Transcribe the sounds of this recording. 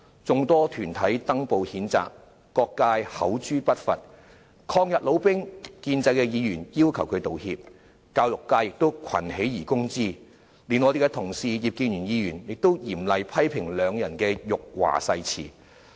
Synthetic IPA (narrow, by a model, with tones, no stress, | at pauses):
t͡sʊ˨˧ŋt̪ɔː˥t̪ʰyː˨˩nt̪ʰɐ˨˥jt̪ɐ˥ŋpo˧whiː˨˥nt͡sa̰ː˨kː | ɔː˧kːaː˧jhɐ̰˨˥wt͡ʃyː˥pɐ˥t̚fɐ˨t̚ | kʰɔː˧ŋjɐ˨t̚lo˨˧wpɪ˥ŋkiː˧nt͡sɐ˧jkɛː˧jiː˨˧jyː˨˩njiː˥wkʰɐ˨˩wkʰɵ˨˧t̪o˨whi˧p̚ | kaː˧wlʊ˨kːaː˧jɪ˨k̚t̪o˥wkʰɐ̰˨˩nhe˨˥jjiː˨˩kʊ˥ŋt͡siː˥ | liː˨nŋɔː˨˧t̪e˨jkɛ˧t̪ʰʊ˨˩ŋsiː˨˧jiː˨p̚kiː˧njy˨˩njiː˨˧jyː˨˩njɪ˨k̚t̪o˥wjiː˨˩mlɐ˨jpʰɐ˥jpʰɪ˨˩ŋlœː˨˧ŋjɐ˨˩nkɛː˧jʊ˨k̚wa̰ː˨˩sɐ˧jt͡sʰḭː˨˩